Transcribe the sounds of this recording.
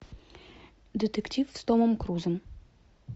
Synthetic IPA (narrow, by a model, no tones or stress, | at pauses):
d̪ʲɪt̪ektʲifst̪omə̆mkruzəm